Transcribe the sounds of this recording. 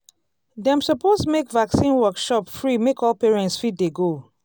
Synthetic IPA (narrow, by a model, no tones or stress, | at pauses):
dɛ̃msɔpostmekvaksĩnwɜkʃɔpfɹimekɔlpeɹɛ̃ntsfiddeɡo